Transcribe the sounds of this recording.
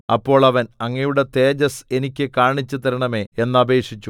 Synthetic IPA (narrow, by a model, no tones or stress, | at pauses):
ɐpːo̞ːɭɐʋɐnɐŋːɐjuɽe̞t̪e̞ːd͡ʑɐse̞nikʲːɨkaːɳit͡ɕːut̪ɐɾɐɳɐme̞ːenːɐbe̞ːkʂit͡ɕːu